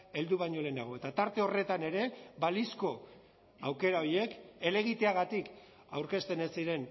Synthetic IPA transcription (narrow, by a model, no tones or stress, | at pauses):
e̞ld̪uβ̞aɲo̞le̞ːnaɣ̞o̞e̞t̪at̪aɾt̪e̞o̞re̞t̪ane̞ɾe̞balisko̞ | awke̞ɾao̞ɾje̞ke̞le̞ɣit̪e̞aɣat̪ik | awɾke̞st̪e̞ne̞siɾe̞n